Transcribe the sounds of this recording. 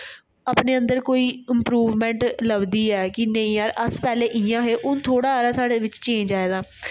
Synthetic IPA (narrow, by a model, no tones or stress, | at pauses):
aːpneːə̃nd̪əɾkoːiːɪmpɾuːʋmɛ̃ːɳʈləbd̪iːɛːkɪnəĩːəɾəspɛːleːʔɪjãːɦeːʔʊnt̪ʰoːɽaːɾaːt̪aːɽeːʋɪt͡ʃt͡ʃẽːɲd͡ʒaːeːɡaː